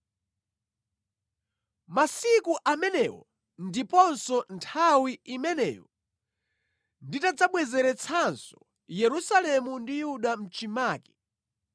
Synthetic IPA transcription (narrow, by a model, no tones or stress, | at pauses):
masikuʔamɛnɛwɔ̰ | ndipɔnsɔntʰawiimɛnɛ̰ːjɔ | nditad͡zaɓwɛzɛɾɛt͡sʰansɔ̥ | jɛɾusalɛmundijuɗam̩t͡ʃimaːki̥